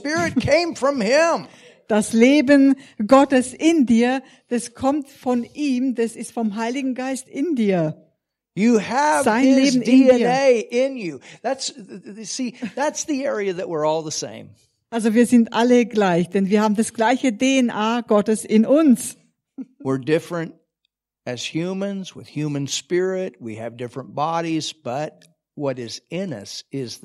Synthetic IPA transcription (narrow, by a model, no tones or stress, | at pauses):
pɪɹɨt̚kʰẽɪ̃ɱfɹʌ̃mɪ̃m | d̥asleːbənɡɔtəsɪndiːɐ | d̥askʰɔmtfɔnʔiːmdasɪstfɔmɦaɪlɪɡŋ̩ɡaɪstɪndiːɐ | jɨəvz̥aɪnleːbn̩ɪinɛiːɐeɪʔɪ̃njʉðætssiðætsðiɛɹiɨðɨʔwɪɹɔlˠðəsḛ̃ɪ̃m | ʔalzoviːɐzɪntʔaləɡlaɪçd̥ɛnviɐhaːbm̩dasɡ̥laɪçədeɛnʔaːɡ̥ɔtəsɪnʔʊns | wɪɹdɪfɹɨ̃nt̚ | ɨz̥hjʉmɨ̃nzwɨ̰ð̥hjʉmɨ̃nspɪɹɪt̚wḭɨvdɪfɹə̃nb̥ɑɾizb̥ʌt̚ | wʌɾɪzɪ̃nʌ̰sɪz